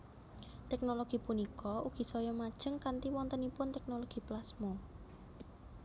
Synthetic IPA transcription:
t̪ɛk̚noloɡ̥i̤punikɔuɡ̥i̤sɔjɔmad̥ʒ̥ə̤ŋkant̪iwɔnt̪ənipʊnt̪ɛk̚noloɡ̥i̤plasmo

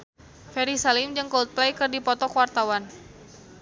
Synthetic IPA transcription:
fɛɾisalɪmd͡ʒɨŋkɔlt̪̚plɛjkɨrdipɔt̪ɔkuwart̪awan

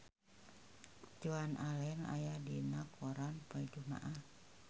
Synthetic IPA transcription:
d͡ʒuanʔalɛŋa̰jadinakɔɾanpaid͡ʒuma̰ʔa

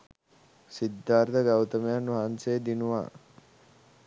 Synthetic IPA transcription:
sid̪ːaːɾd̪ɐɡɐwt̪ɐmejanuɦaːnseːd̪inuʋa̰ː

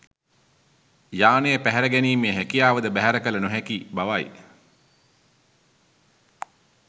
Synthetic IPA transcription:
jaːnejːəpæɦæɾəɡæniːmeːɦækijaːʋəd̪əbæɦæɾəkələnuɦɛkibaʋaj

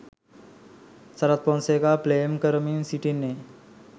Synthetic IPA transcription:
səɾat̪̚pɔnsekaplemkəɾminsiʈinːe

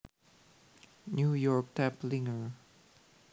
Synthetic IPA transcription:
njujɔɹk̚tʰɛpliŋəɹ

